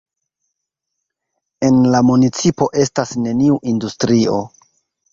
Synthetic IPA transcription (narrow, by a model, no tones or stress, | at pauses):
e̞nlamunit͡sipo̞ʔe̞stasne̞niuʔindustɾio̞̰